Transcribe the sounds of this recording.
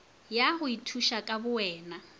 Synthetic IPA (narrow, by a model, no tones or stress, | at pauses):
jahʊitʰuʃakʼabʊwɛːna